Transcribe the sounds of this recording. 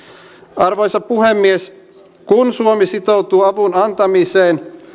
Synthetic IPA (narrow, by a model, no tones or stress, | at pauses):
ɑrʋo̞jsɑppuhemːies | kunsuomisit̪o̞wt̪uːɑʋunɑnt̪ɑmiseːn